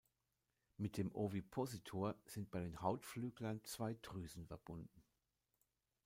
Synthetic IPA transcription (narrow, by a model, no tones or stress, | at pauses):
mɪt̚d̥eːmʔovipʰozitʰoːɐz̥ɪnt̚b̥aɪdeːnhaʊtflyːɡlɐnt͡sv̥aɪtʁ̥yːzn̩fɛɐb̥ʊndn̩